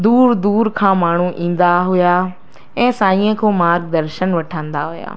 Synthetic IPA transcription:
d̪uːɾd̪uːɾkʰãːmaːɳ̤uʔĩːn̆d̪aɦʊja | ɛ̃ːsaːĩːə̃kʰoːmaːɾɡd̪ɐɾʃənʋɐʈʰãːnd̪aɦuja̰ː

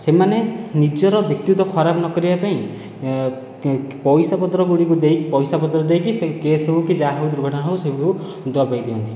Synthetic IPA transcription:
semanenid͡ʒɔɾɔbjɔk̚t̪jut̪ɔkʰɔɾapnɔkɔɾibapaĩ | pɔjsapɔd̪ɾɔɡuɽikud̪ejpɔjsapɔd̪ɾɔd̪ejkisekesɔbukid͡ʒaɦɔwd̪uɾuɡʱɔʈɔnaɦowsebuu | d̪abajd̪iɔnt̪ʰi̥

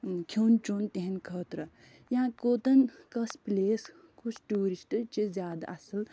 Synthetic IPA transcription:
kʰoːnt͡ʃoːnt̪eɦɐnkʰəːt̪ɾɐ | jãkoːt̪ɐnkɐspleːs | kut͡ʃʰʈuːɾisʈt͡ʃizjaːd̪a̰ʔɐsɐl

